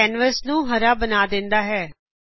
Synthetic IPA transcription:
ɛːnʋəɾsnũːɦəɾaːbənaːd̪ɪ̃nd̪aːɦɛː

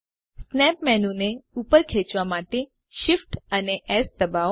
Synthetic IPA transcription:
snɛpmɛnũneupəɾkʰet͡ʃʋamaʈe | ʃifʈəneʔɛsd̪əba

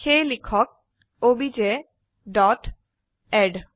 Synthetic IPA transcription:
kʰejlikʰɔk̚ | obid͡ʑe | ɖɔʈ | ɛɖ

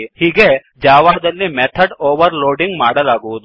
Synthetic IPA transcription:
hiːɡe̞ | d͡ʒaːʋaːd̪ɐlːimɛt̪ʰɐɖoːʋɐɾloːɖiŋɡmaːɽɐlaːɡuʋud̪u

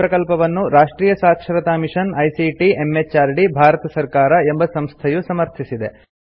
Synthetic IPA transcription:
pɾɐkɐlpɐʋɐnːuɾaːʂʈɾiːjɐsaːkʃɐɾɐt̪aːmiʂɐnɐjsiʈiemːet͡ʃaːɾɖibʱaːɾɐt̪ɐsɐɾkaːɾɐe̞mbɐsɐmst̪ʰɐjusɐmɐɾt̪ʰisid̪e̞̰

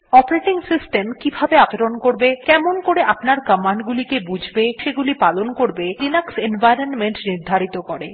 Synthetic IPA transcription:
ɔpaɾeʈiŋsisʈemkibʱabeapeɾonkoɾbekɛmonkoɾeʔapnaɾkəmaɳɖɡulikebud͡ʑʱbeʃeɡulipalonkoɾbeɾinaksenvajɾonmeɳʈniɾd̪ʱaɾit̪okoɾe

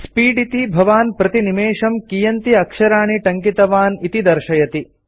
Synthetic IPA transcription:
spiːɖit̪ibʱɐʋaːnpɾɐt̪inimeːʂɐmkijɐnt̪iɐkʂɐɾaːɳiʈɐŋkit̪ɐʋaːnit̪id̪ɐɾʃɐjɐt̪i

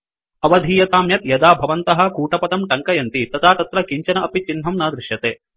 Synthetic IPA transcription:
ɐʋɐd̪ʱiːjɐt̪aːmjɐt̪jɐd̪aːbʱɐʋɐnt̪ɐɦɐ̆kuːʈɐpɐt̪ɐmʈɐŋkɐjɐnt̪it̪ɐt̪ʰaːt̪ɐt̪ɾɐkiɲt͡ʃɐnɐʔɐpit͡ʃinɦɐmnɐːd̪ɾɪʂjɐt̪eː

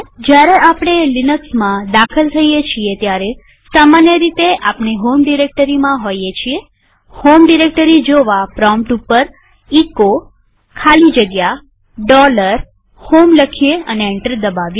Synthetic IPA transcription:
d͡ʒjaɾeʔapɽ̃elinəksmãd̪akʰəlt̪ʰəijet͡ʃʰiet̪jaɾe | samanjəɾit̪eʔapneɦomɖiɾek̚ʈəɾimãɦojet͡ʃʰie | homɖiɾek̚ʈəɾid͡ʒoʋapɾɔmʈupːəɾ | iko | kʰalid͡ʒəɡja | ɖɔləɾ | homləkʰijeəneeɳʈəɾd̪əbaʋje

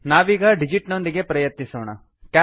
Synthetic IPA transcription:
naːʋiːɡɐɖid͡ʒiʈnond̪iɡe̞pɾɐjɐt̪nisoːɳɐ | ka

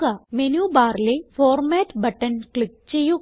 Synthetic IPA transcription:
kamenjubaːɾlefɔːɾmɛʈbəʈənklik̚t͡ɕeju

